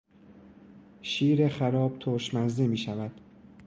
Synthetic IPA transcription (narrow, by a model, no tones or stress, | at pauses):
ʃiːɾexæɾɒːb̥̚t̪ʰoɾʃmæzd̪emiːʃævæd̪̥